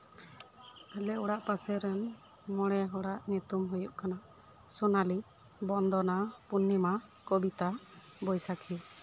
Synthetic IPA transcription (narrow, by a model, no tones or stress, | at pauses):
pɛlɛuɽaʔpasɛɾɛn | mɔɽ̃ɛɦɔɽaʔɲut̪umɦujuʔkanaʔ | sɔnali | bɔnd̪ɔnapunːima | kɔbit̪a | bɔjsakʰi